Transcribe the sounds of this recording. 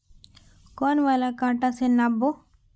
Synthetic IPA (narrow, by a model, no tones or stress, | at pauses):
kɔnʋalakãːʈasenabo